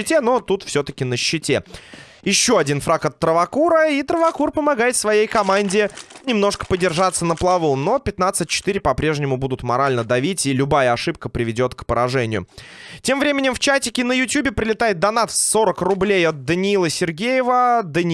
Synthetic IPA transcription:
ɪtʲeno̞t̪ut̪fsʲot̪ə̥kʲɪnəɕːɪtʲe | jɪɕːoɐdʲin̪fɾakɐt̪ːɾəvɐkuɾəit̪ɾəvɐkurpəmɐɡajɪt̪svɐjejkɐmanʲdʲɪnʲɪmno̞ʂkə̥pədʲɪrʐat̪sːənəplˠɐvuno̞pʲɪt̪nat̪sɨt̚ʲt͡ɕɪ̥t̪iɾʲɪpɐpɾʲe̞ʐnʲɪmʊbud̪ʊt̪mɐɾalʲnəd̪ɐvʲitʲilʲʊbajəɐʂɨp̚kəpɾʲɪvʲɪdʲo̞t̪kpəɾɐʐɛnʲɪjʊ̰tʲe̞mvɾʲemʲɪnʲɪmft͡ɕætʲɪkʲɪnəjʊtʲjubʲɪpɾʲɪlʲɪt̪ajɪt̪̚d̪ɐnasːo̞ɾəkrʊblʲejɐt̪̚d̪ənʲɪilˠəsʲɪrɡʲejɪvəd̪ənʲ

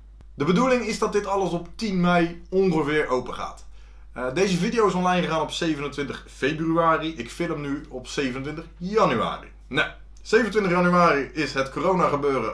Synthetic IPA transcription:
dəbədulɪŋɪzdɑt̚dɪtɑləsɔptinmɛjɔŋχəvɪːɹʔowpəχa̰ːt | dejzəvidijowɪsɔnlɑjnχəχaːnɔpsejvənəntʋɪntəχfejbryaːriɪkfɪləmnyɔpsejvənəntʋɪntəχjɑnya̰ːrḭ | na | sejvənətʋɪntəχjɑnyaːriɪsɦətkorownaːχəbøːrə̰

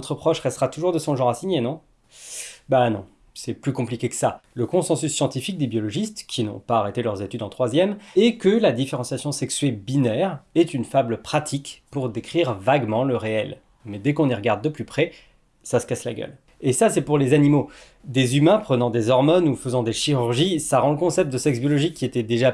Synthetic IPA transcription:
ɔt̪χəpχɔʃʁɛst̪ʁat̪uʒuʁd̪əsɔ̃ʒɑ̃ʁasiɲenɔ̃ | banɔ̰̃ | sɛplykɔ̃plikʲekə̥saləkɔ̃sɑ̃sysːjɑ̃t̪ifik̚d̪ebjɔlɔʒist̪kʲʰinɔ̰̃paːʁet̪elœʁzet̪yd̪ɑ̃t̪χwazjɛmɛkəlad̪ifeʁɑ̃sjasjɔ̃sɛksɥɛbinɛʁɛt̪ynfablpχat̪ʰikpuʁd̪ekχiʁvaɡmɑ̃ləʁeɛl | mɛd̪ɛkɔ̃niʁəɡaʁd̪̚ːəplypχɛ | sasə̥kasla̰ɡʲœ̰l | esasɛpuʁlezanimo | d̪ezymɛ̃pχənɑ̃d̪ezɔʁmɔnufəzɑ̃d̪eʃiʁyʁʒisaʁɑ̃ləkɔ̃sɛp̚t̪̚d̪əsɛksbjɔlɔʒikʲːiet̪ɛd̪eʒa

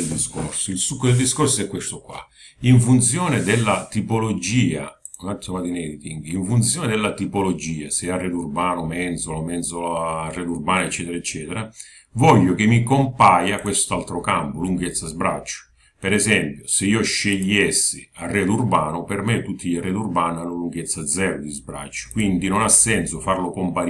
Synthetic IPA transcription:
ld̪iskorsoilsukːod̪eld̪iskorsoɛkːwest̪okwa̰ | iɱfunt̪sjɔːnɪd̪elːat̪ipolod͡ʒiːa̰ | unat̪ʰːomad̪inɛd̪it̪iŋɡiɱfunt̪sjɔːned̪ɛlːat̪ipolod͡ʒiːasɛarːɛd̪urbaːnʊmɛnt̪solomɛnt̪soloarːɛːlurbaːnoet͡ʃːɛːt̪eɾaet͡ʃːɛːt̪eɾa | vɔʎːʊkɪmːikompaːjakwest̪alt̪ɾʊkampʊluŋɡet̪sːazbɾat͡ʃːʊ̥ | pɛɾɛsɛmpjʊsɪiːʊʃːeʎːɛsːɪ | arːɛːd̪urbaːnʊpɛrmet̪ːut̪ʰːiʎarːɛːd̪urbaːnanːʊluŋɡet̪sːad̪zːɛːɾʊd̪izbɾa̰t͡ʃːʊ̥kwind̪inonasːɛnsʊfarlʊkompaɾ

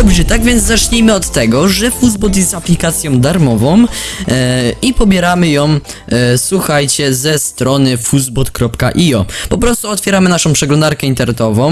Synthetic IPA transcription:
d̪ɔbʐɛt̪aɡvʲjɛnd̪zzat͡ʂɲejmɘɔt̪ːɛɡɔʐɛfuzbɔt̪̬jɛst̪aplʲikat̪sʲjɔ̃w̃d̪aɾmɔvɔ̃w̃ | ipɔbʲjɛɾamɘjɔ̃w̃ | swuxajt͡ɕɛzɛst̪ɾɔnɘfuzbɔt̪kɾɔpkaʔiɔpɔpɾɔst̪uɔt̪fʲjɛɾamɘnaʂɔ̃w̃pʂɛɡlɔ̃nd̪aɾkɛint̪ɛɾnɛt̪ɔvɔ̃w̃

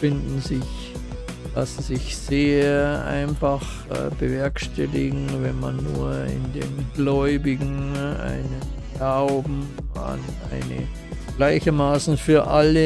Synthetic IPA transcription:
fɪndn̩zɪç | lasn̩zɪçz̥eːɐʔa̰ɪnfax | ɛ̰bəvɛɐkʃtʰɛlɪɡŋ̩vɛnma̰nːuːɐɪ̰ndḛːnɡlɔʏbɪɡŋ̩ʔa̰ɪnənɡ̥laʊbm̩ | a̰nʔa̰ɪnə̰ | ɡ̥laɪçɐmaːsn̩fyːɐʔalə

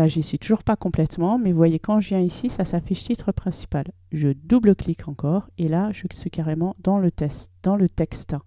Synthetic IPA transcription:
aʒisɥit̪uʒuʁpakɔ̃plɛt̪mɑ̃mɛvuvwajekɑ̃ʒəvjɛ̃isisasafiʃt̪it̪χəpχɛ̃si̥pal | ʒəd̪ubləklikʰɑ̃kɔʁelaʒəsɥikaʁemɑ̃d̪ɑ̃lət̪ɛtd̪̥ɑ̃lət̪ɛkst̪

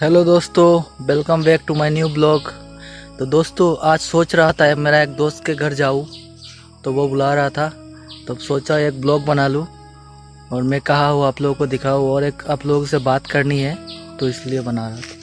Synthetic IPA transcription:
ɦɛloːd̪oːst̪oʋɪlkəmbeːk̚ʈumaːɪnjuːblɔːkt̪od̪oːst̪oʔaːd͡ʒsoːt͡ʃɾɐɦat̪aɦemeːɾaeːk̚d̪oːst̪̚keɡʱɐɾd͡ʒaːũ | t̪oʋobʊlaɾɐɦat̪ʰa | t̪oɐbsoːt͡ʃaeːk̚blɔːk̚bɐnaːlũ | ɔːɾmɛ̃kɐɦaɦoaːploːɡkod̪ɪkʰaːuɔːɾeːkaːploːɡsebaːt̪kɐɾniɦɛt̪oɪsliebɐnaːɾɐɦt̪ʰː

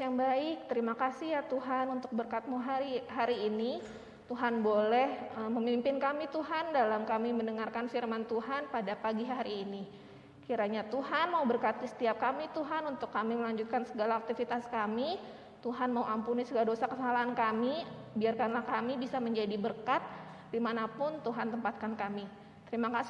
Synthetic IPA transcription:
jaŋbaɪk̚t̪əɾimakasihjat̪uɦanunt̪ʊk̚bərkat̪̚muɦaiɦaɾiːni | t̪uɦanbolɛhəməmimpɪnkamit̪uɦandalamkamimənəŋarkanfirmant̪uɦanpadapaɡiɦaɾiːni | kiɾaɲat̪uɦanmaubərkat̪̚kəsə̥t̪iap̚kamit̪uɦanunt̪ʊkːamiməlaɲd͡ʒut̪̚kansəɡalaːk̚t̪ifit̪askami | t̪uɦanmauʔampunisəɡaladosakəsalaɦankamibiarkanlahkamibisaməɲd͡ʒadibərkat̪̚ | dimanapʊnt̪uɦant̪əmpat̪̚kankami | t̪əɾimakas

